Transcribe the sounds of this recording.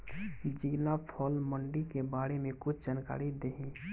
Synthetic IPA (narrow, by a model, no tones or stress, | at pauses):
d͡ʒiːlapʰɔːlməɳɖikebaːɾemẽkʊt͡ʃʰd͡ʒaːnka̰ːɾid̪eɦĩː